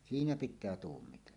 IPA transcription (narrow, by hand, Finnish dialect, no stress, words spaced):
siːnæ pitˑæː tuːmːitelːɑ